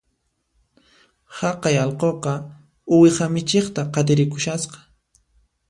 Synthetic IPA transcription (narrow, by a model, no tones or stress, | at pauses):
hɑqɑjɑlqoqɑ | ʊwɪχamɪt͡ʃeχt̪aqɑt̪ɪɾɪkʊʃasqɑ̥